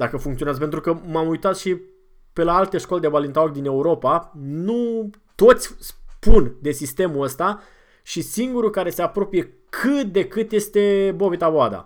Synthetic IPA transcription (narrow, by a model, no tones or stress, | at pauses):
d̪akəfuŋkt̪sioazəpent̪ɾukəmamujt̪at̪ʃi | pe̞laalt̪e̞ʃko̞led̪ebalint̪aokd̪ine̞uɾo̞panu | t̪o̞t̪sʲspund̪e̞sist̪e̞muəst̪a | ʃisiŋɡuɾukaɾe̞se̞apɾo̞pije̞ | kʰɨt̪̚d̪e̞kɨt̪je̞st̪e̞bo̞vit̪aboad̪a̰